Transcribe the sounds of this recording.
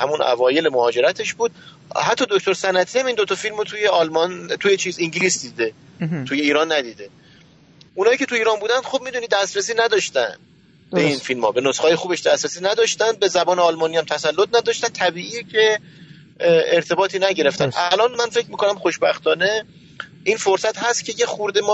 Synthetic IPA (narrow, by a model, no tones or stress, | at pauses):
hæmunʔæ̰vɒːje̞lemohɒːd͡ʒe̞ɾæt̪ʰe̞ʃbuːd̪̥̚ | hæt̪ːɒːd̪ok̚t̪oɾsænæt̪ʰiːhæmind̪ot̪ʰɒfilmot̪ʰuːjeɒːlmɒnt̪ʰujet͡ʃʰiːziŋɟiliːsd̪iːd̪e | t̪ʰuje̞iːɾɒːnːæd̪iːd̪e̞ | ʔunɒːjiːcʰe̞t̪ʰuiːɾɒːnbuːd̪ænd̪xob̚miːd̪uːnid̪æst̪ɾesiːnæd̪ɒʃt̪æ̰nd̪ | beinfilmhɒ̰ːbe̞nosχɒːjexuːbe̞ʃd̪æst̪ɾesiːnæd̪ɒʃt̪ænd̪̚be̞zæbɒːneɒlmɒːniːhæmt̪ʰæsælːot̪̚ʰnæd̪ɒʃt̪ænt̪ʰæbiːʔiːjecʰe̞ | eɾt̪ʰe̞bɒːt̪ʰiːnæɟe̞ɾe̞ft̪ænʔælɒːnmænfe̞cmiːko̞næmχoʃbæxt̪ɒːne̞ | ʔinfoɾsæt̪hæst̪cʰe̞jexuɾd̪emɒː